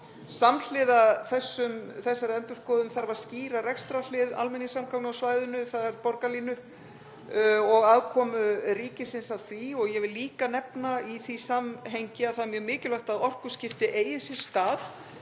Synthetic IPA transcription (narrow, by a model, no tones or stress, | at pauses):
saml̥ɪːðaθɛsːʏmθɛsːaɾɛnt̪ʏskɔːðʏmθaɾvaɾ̥sciːɾarɛkst̪ɾal̥ɪða̰lmɛnːɪsamkʰawknawsvaːjðʏnʏθaðɛɾpɔɾkaliːnʏ | ɔɣaðkʰɔːmʏriːcɪsɪnsaðθviɔɣjɛvɪlːiːkanɛpnaiθvisamɦejɲcɪaðθaðmjœɣmɪːcɪlœht̪aðɔr̥kʏ̥scɪft̪ɪʔeːjɪsɪɾ̥st̪aːð